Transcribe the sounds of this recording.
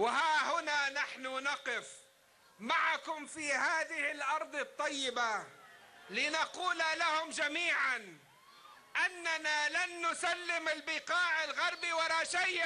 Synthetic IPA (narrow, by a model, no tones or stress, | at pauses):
wɪhaːhʊnaːnaħnʊnɑqɪf | maʕakʊmfihaːðɪhɪlʔɑɾˤd̪ˤɨt̪ˤːɑjːɪba | lɪnaquːlalahʊmd͡ʒamiːʕan | ʔanːanalanːʊsalːɪmɪlbɪqɑːʕɪlɣɑɾˤbiwɑɾˤɑːʃaj